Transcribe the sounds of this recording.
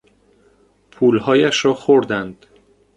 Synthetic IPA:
pʰuːlhɒːjæʃɾɒːxoɾd̪ænd̪̥

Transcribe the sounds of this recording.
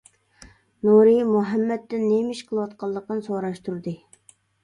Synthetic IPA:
nuɾɨmuɦɛmːɛt̪ːɪnːemɪʃqʰəlˠɨwɑt̪qʰɑlˠːəq̚ənsoɾɑʃt̪ʰuɾd̪ɨ

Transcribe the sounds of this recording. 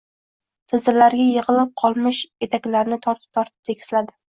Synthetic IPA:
t̪ʰɪzɪɾlaɾɡʲajɨʁɨlɪp̚qʰɒlˠmɪʃe̞t̪ʰakʲlaɾnɪt̪ʰɒɾt̪ʰɪ̥p̚t̪ʰɒɾt̪ʰɪ̥p̚t̪ʰe̞kʲɪ̥slad̪ɪ

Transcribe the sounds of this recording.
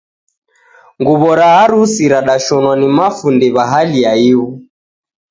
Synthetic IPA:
ŋɡuβɔɾaɦaɾusiɾaɗaʃɔnwanimafundɛβaɦaliaiu

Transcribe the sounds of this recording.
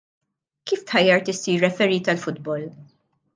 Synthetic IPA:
kiːft̪ħɐjːɐɾt̪ɪsiːrːɛfɛɾiːt̪ɐlfʊd̪bɔl

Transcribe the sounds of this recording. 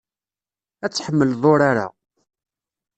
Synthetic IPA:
æt͡sːħəmːəlðˤoɾaɾa̰

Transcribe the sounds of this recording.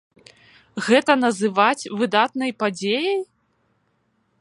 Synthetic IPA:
ɣɛt̪ɐnɐzɨvat͡sʲvɨd̪at̪nɐjpad͡zʲejɐj

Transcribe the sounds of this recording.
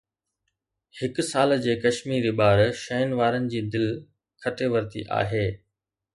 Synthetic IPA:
hɪkʊsaːld͡ʑeːkɐʃmiːɾiɓaːɾʃɐːnʋaːɾənɪ̆d͡ʑiːd̪ɪl | kʰɐʈeːʋɐɾt̪ḭʔa̰ːɦeː

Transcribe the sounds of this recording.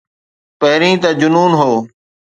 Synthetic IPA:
pəɦɾĩːt̪aːd͡ʒʊnuːnɦoː

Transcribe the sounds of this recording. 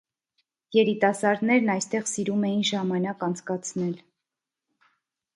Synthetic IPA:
jɛɾit̪ɑsɑɾd̪nɛɾnɑjst̪ɛʁsiɾumɛjinʒɑmɑnɑkɑnt͡sʰkɑt͡sʰnɛl

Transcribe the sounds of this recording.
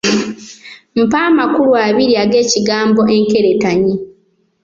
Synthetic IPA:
m̩paːmakuluaβiɾiaɡe̞ːciɡaːmbo̞ʔeŋke̞ɾetaɲi

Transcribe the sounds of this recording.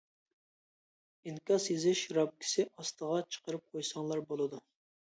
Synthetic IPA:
inkʲɑsjezɪʃɾɑp̚kʲʰi̥sɪʔɑst̪əʁɑt͡ʃʰə̥qəɾɨp̚qʰojsɑŋlˠɑɾbolˠɨd̪u

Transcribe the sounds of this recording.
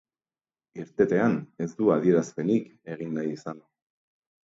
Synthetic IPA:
iɾt̪e̞t̪e̞ane̞zd̪uaðie̞ɾaspe̞nike̞ɣ̞inːajisan

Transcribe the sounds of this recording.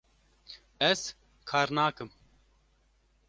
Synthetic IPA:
ɛz | kʰaːɾnaːkɨm

